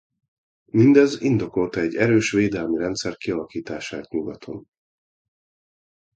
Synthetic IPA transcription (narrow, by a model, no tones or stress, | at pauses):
mind̪ɛzind̪o̞ko̞lt̪ɒɛɟːɛɾøːʃʋeːd̪ɛlmiɾɛnt̪sɛrkiɒlɒkiːt̪aːʃaːt̪ɲuɡɒt̪ʰo̞̰n